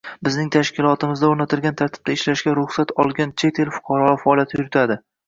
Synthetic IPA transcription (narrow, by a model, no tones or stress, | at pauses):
bɪznɪŋt̪ʰaʃkʲɪlˠɒt̪ʰɪmɪzd̪aoɾnat̪ʰɪɾˠɡʲant̪ʰaɾt̪ʰɪ̥b̚d̪aɪʃlaʃɡʲaɾʊχsat̪ʰɒlˠɡʲant͡ʃʰet̪ʰe̞lfʊ̥qʰɑɾɒfaɒlˠjat̪ʰɪjʊɾɪt̪ʰad̪ɪ